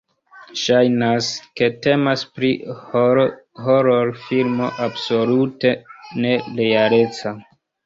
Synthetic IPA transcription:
ʃajnaske̞te̞maspɾi | ɦoɾoɾfilmo̞ʔabso̞lute̞ne̞lejale̞t͡sa

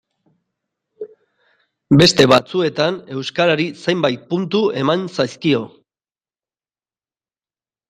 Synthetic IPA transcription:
be̞st̪e̞βat͡sue̞t̪ane̞wskaɾaɾisejmbajt̪̚punt̪ue̞mansajskio̞

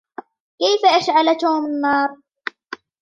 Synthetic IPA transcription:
kajfaʔaʃʕalat̪oːmɪnːɑːɾˤ

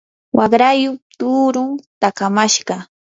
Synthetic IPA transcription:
wʔɑɢɾajʊt̪uːɾʊŋt̪akamaʃɢɑ

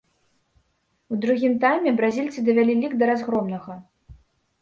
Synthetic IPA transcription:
ud̪ɾuɣʲimt̪ajmʲɛbɾazʲilʲt̪sɨd̪ɐvʲalʲilʲiɡd̪ɐɾazɣɾɔmnɐɣɐ

